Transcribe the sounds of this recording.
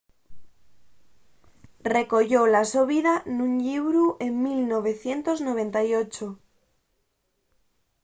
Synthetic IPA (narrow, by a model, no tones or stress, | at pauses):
re̞ko̞ʝolasoβ̞iðanũɲʎiβɾuʔeŋmilnoβ̞e̞θje̞nt̪oznoβ̞ẽ̞nt̪ajot͡ʃo